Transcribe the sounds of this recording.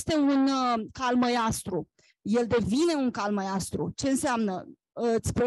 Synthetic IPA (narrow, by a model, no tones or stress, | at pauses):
st̪e̞unkalməjast̪ɾu | je̞ld̪e̞vine̞uŋkalməjast̪ɾṵt͡ʃe̞ɨnseamnə | ɨt̪sʲpu